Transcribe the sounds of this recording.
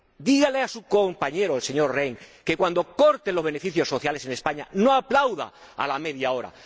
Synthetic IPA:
d̪iɣaleasuko̞mpaɲe̞ɾoelse̞ɲo̞ɾreŋke̞kwand̪o̞ko̞ɾt̪enloβe̞ne̞fiθjo̞sːo̞θjale̞se̞ne̞spaɲano̞aplawða̰a̰lame̞ðjao̞ɾa̰

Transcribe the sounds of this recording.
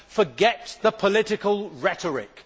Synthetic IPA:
fəɡɛtðəpʰəlɪtɪkəlˠɹɛtʰəɹɪ̰k

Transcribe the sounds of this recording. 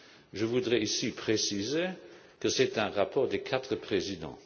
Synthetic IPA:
ʒəvud̪ʁɛisipχesize | kəsɛt̪ɛ̃ʁapɔːʁd̪ekʰat̪χəpχezid̪ɑ̰̃

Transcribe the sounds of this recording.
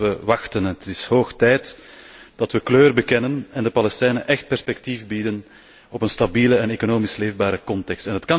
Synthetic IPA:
əʋɑxtənətɪshoːxtɛːtd̥ɑtʋəkløːrbəkɛnənɛndəpɑlɛstɛjnəʔɛxt̚pɛrspɛktifbidən | ɔpənstɑbiːləɛnekonoːmisleːvbaːɾəkɔntɛkstɛnɦətkɑ

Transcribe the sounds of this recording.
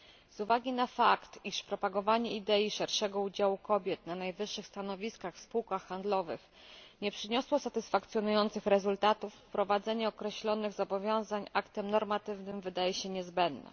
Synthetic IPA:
zuvaɡʲinafakt̪iʂpɾɔpaɡɔvaɲɛid̪ɛjiʂɛɾʂɛɡɔud͡ʑawukɔbʲjɛt̪nanajvɘʂːɘxst̪anɔvʲiskaxfspuwkaxːand̪lɔvɘ̰x | ɲɛpʂɘɲɔswɔsat̪ɘsfak̚t̪sʲjɔnujɔnt̪sɘxɾɛzult̪at̪ufpɾɔvad̪zɛɲɛɔkɾɛɕlɔnɘɣzɔbɔvʲjɔ̃w̃zaɲʔakt̪ɛmnɔɾmat̪ɘvnɘmvɘd̪ajɛɕɛɲɛzbɛnd̪nɛ̰

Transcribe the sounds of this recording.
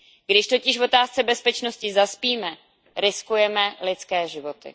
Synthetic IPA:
ɡ̥dɪʃt̪o̞cɪʃvo̞t̪aːst͡sɛbɛspɛt͡ʃno̞scɪzaspiːmɛ | ɾɪskujɛmɛlɪt͡skɛːʒɪvo̞t̪ɪ̰

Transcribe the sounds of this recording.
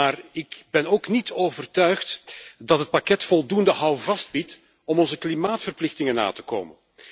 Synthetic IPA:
aːrɪkbɛnoːknitʰoːvərtœɥxtdɑtɦət̚pakɛtfɔlˠdundəɦʌwvɑst̚bit | ɔmɔnzəklimaːtfərplɪxtɪŋəna̰ːtə̥ko̰ːmən

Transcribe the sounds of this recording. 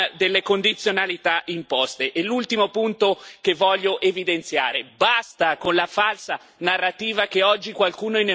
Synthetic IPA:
d̪elːekond̪it̪sːjonalit̪aʔimpɔst̪eʔelːult̪imopunt̪okevːɔʎːoʔevid̪ent̪sja̰ːɾebast̪akonlafalsa | narːat̪iːvakeɔd͡ʒːikwalkuːnoine

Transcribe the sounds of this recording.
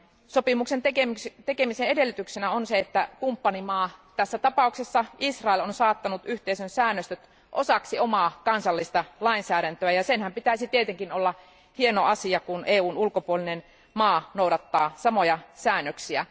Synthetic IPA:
sopimuksent̪eket̪ekemiseedelːyt̪yksenæonseet̪ːækumpːɑnimɑːt̪æsːæt̪ɑpɑˑuksesːɑisrɑelonsɑːt̪ːɑnut̪yht̪eisønsæːnːøst̪øt̪ | ʔosɑksiomɑːkɑnsɑlːist̪ɑlɑinsæːɾænt̪øæjɑsenhæmpit̪æisit̪iet̪eŋkinolːɑ | hienoɑsiɑkunʔeːuːnulkopuolinen | mɑːnouɾɑt̪ːɑːsɑmojɑsæːnːøksiæ̰

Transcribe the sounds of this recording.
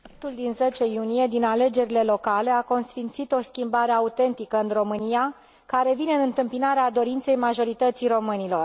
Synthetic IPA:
t̪uld̪inze̞t͡ʃe̞junije̞d̪inale̞d͡ʒe̞ɾile̞lo̞kale̞ako̞nsfint̪sit̪o̞skʲimbaɾe̞aut̪e̞nt̪ikəɨnro̞mɨnija | kaɾe̞vine̞ɨnɨnt̪ɨmpinaɾead̪o̞ɾint̪se̞jmaʒo̞ɾit̪ət̪sijro̞mɨnilo̞r

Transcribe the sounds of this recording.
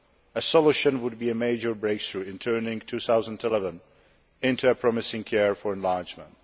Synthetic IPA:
əsɔluʃə̃nwʊd̚biːɨmeɪd͡ʒə˞bɹeɪkθɹuːɪ̃ntʰɜ˞nɪ̃ŋtʰuθaʊzə̃ntɪlɛvə̃n | ɪ̃ntuəpʰɹɔmɪsɪ̃ŋkʰɛɹfɔɹɛ̃nlaɹd͡ʒmə̃nt̚

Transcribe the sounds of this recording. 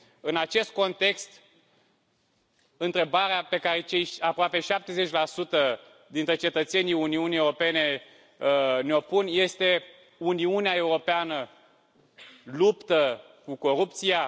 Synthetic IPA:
ɨnat͡ʃe̞st̪̚ko̞nt̪e̞kst̪ | ɨnt̪ɾe̞baɾeape̞kaɾe̞t͡ʃe̞japɾoape̞ʃap̚t̪e̞ze̞t͡ʃʲlasut̪ə | d̪int̪ɾe̞t͡ʃe̞t̪ət̪se̞nijuniunieuɾo̞pe̞ne̞ | neo̞punje̞st̪e̞ | uniuneae̞uɾo̞peanə | lupt̪ə | kuko̞ɾup̚t̪sija

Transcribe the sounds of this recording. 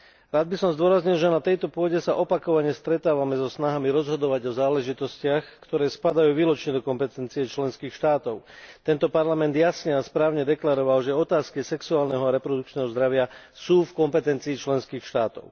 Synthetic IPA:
ɾaːd̪bisɔmzd̪ʊɔɾazɲilʒɛnat̪ɛjt̪ɔpʊɔɟɛsaʔɔpakɔʋaɲɛst̪ɾɛt̪aːʋamɛzɔsnaɦamiɾɔzɦɔd̪ɔʋaɟɔzaːlɛʒit̪ɔscɪaxkt̪ɔɾɛːspad̪ajuːʋiːlɔt͡ʃɲɛd̪ɔkɔmpɛt̪ɛnt͡siɛt͡ʃlɛnskiːxʃt̪aːt̪ɔʊt̪ɛnt̪ɔpaɾlamɛnd̪jasɲɛaspɾaːʊɲɛd̪ɛklaɾɔʋalʒɛɔt̪aːskisɛksuaːlnɛɦɔaɾɛpɾɔd̪ukt͡ʃnɛːɦɔzd̪ɾaʋɪa | suːfkɔmpɛt̪ɛnt͡siːt͡ʃlɛnskiːxʃt̪aːt̪ɔ̰ʊ

